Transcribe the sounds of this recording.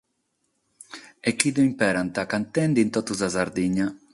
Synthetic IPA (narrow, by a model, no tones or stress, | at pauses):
ɛkːid̪uimpɛɾant̪akant̪ɛnd̪int̪ɔt̪ːuzazaɾd̪iɲːa